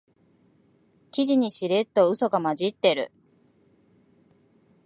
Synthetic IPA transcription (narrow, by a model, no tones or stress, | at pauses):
kʲiʑiɲ̟iɕiɾe̞t̪ːo̞ɯ̟so̞ɡamad͡ʑit̪ːe̞ɾɯ̟̰